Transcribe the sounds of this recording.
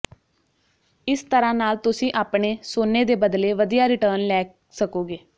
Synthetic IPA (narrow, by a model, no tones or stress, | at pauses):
ɪst̪əɾãːnaːlt̪ʊsĩːʔaːpɳeːsoːneːd̪eːbəd̪leːʋəd̪ijaːɾɪʈəːɾnlɛːk | səkoːɡeː